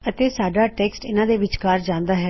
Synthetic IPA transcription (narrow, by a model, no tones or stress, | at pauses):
ət̪eːsaːɖaːʈɛːksʈɪ̰nãːd̪eːʋɪt͡ʃkaːɾd͡ʒãːnd̪aːɦɛː